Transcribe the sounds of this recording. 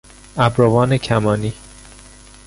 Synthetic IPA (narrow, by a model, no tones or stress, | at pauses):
æbɾovɒːnecʰæmɒːniː